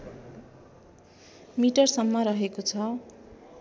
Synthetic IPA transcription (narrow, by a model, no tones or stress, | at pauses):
miʈʌrsʌmːʌɾʌɦekot͡sʰʌ